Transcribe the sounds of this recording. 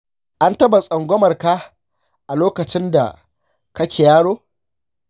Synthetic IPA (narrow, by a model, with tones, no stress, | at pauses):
ʔa˦ntɐ˦ba˨sʼɐ˨ŋɡʷɔ˦mɐ˨rka˦ | ʔa˨loː˦kɐ˨t͡ʃɪ˦nda̰˨ | kɐ˦kʲeː˨jaː˦ɽoː˦